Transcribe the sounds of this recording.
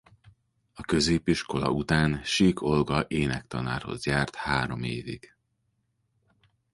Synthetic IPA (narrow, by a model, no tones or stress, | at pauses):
ɒkø̞zeːpiʃko̞lɒ̰ut̪aːnʃiːkʰo̞lɡɒʔeːnɛkt̪ɒnaːrho̞̰zjaːrt̪haːɾo̞meːviɡ̥